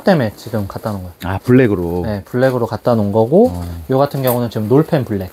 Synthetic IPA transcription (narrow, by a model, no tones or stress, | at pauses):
t͈e̞me̞t͡ɕiɡɯmkat̚t͈anɯnɡʌjoapuɭːeɡɯɾone̞puɭːe̞ɡɯɾokat̚t͈anɯnɡʌɡojoɡatʰɯnɡjʌŋunɯnt͡ɕiɡɯmnoɭpʰe̞npuɭːe̞k̚